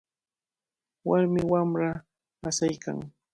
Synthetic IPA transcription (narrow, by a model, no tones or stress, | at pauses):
waɾmɪwamɾa | asajka̰ŋ